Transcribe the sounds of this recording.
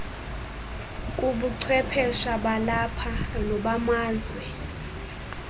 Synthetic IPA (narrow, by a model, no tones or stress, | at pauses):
kʼuɓuǀʰɛpʰɛʃaɓalapʰanɔɓamaːzwɛ